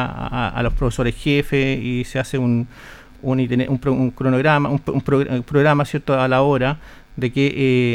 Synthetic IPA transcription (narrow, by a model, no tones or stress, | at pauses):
aa̰lospɾofeso̞ɾesxefeiseaseun | unit̪eneʔumpɾouŋkɾonoɣɾamaumpumpɾoɣpɾoɣɾamasje̞ɾt̪oalao̞ɾa | ðekeʔe